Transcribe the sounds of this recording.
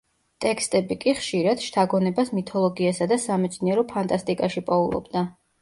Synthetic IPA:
t̪ʼɛkʰst̪ʼɛbikʼiχʃiɾad̪̥ʃt̪ʰaɡɔnɛbasmit̪ʰɔlˠɔɡiasad̪asamɛt̪sʰniɛɾɔpʰant̪ʼast̪ʼikʼaʃipʼɔulˠɔ̰bd̪a

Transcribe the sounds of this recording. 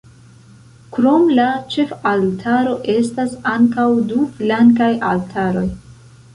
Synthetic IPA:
kɾo̞mlat͡ʃe̞faltʰaɾo̞ʔe̞stasaŋkawduflaŋkajaltʰaɾo̞j

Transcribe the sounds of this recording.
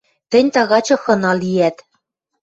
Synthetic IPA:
t̪ɘ̆nʲt̪ɑɣɑt͡ɕɤ̆xɤ̆nɑlijæt̪

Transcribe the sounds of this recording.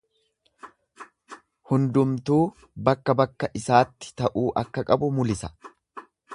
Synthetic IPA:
hʊnd̪ʊmt̪uː | bɐkːɐbɐkːɐʔɪsaːt̪ːɪ̥t̪ɐʔuːʔɐkːɐkʼɐbʊmʊlɪsɐ̥

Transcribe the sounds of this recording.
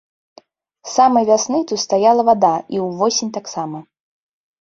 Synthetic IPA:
samɐjvʲasnɨt̪ut̪st̪ajalˠɐvad̪aiwvɔsʲɪnʲt̪aksamɐ

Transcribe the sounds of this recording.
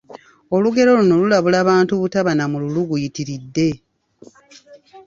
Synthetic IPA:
o̞luɡe̞ɾo̞luno̞lulaβulaːβaːntuβutaβanamululuɡujitiɾidːe̞

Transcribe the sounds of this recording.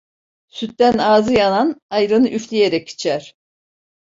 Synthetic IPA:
syt̪ːænaːzɯjananajɾɯnɯʔyflʲijeɾɛci̥t͡ʃʰæɾ̥

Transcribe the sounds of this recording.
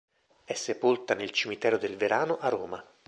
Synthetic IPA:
ɛsːepolt̪anelt͡ʃimit̪ɛːɾod̪elveɾaːnoʔarːoːma

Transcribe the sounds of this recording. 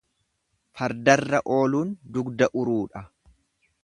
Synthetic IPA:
fɐɾd̪ɐrːɐʔo̞ːluːnd̪ʊɡd̪ɐʔʊɾuːᶑɐ

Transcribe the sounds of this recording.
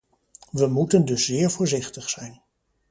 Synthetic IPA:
ʋəmutəndɵszɪːɹvʊːɹzɪχtəχsɛjn

